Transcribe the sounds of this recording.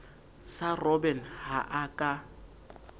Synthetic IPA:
sarɔbɛnhaʔakʼa

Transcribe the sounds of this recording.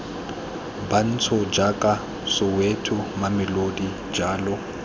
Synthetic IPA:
ban̩t͡sʰʊd͡ʒakʼa | sʊwetʰʊmamɪlodi | d͡ʒaːlɔ

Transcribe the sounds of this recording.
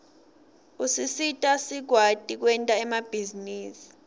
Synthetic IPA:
usisitʼasiɡ̥ʱwad̥ʱʼik̬wɛntʼaɛmab̥ʱiziniːsi̥

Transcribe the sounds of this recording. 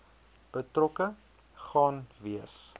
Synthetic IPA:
b̥ətrɔkə | χɑːnviəs

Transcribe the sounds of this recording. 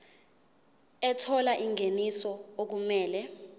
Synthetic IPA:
ɛtʰɔlaʔiŋʱenisɔok̬umɛːlɛ

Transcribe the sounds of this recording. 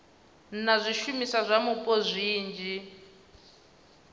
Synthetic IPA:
n̩nazʷiʃumisazʷamupʼɔzʷiːnd͡ʒi

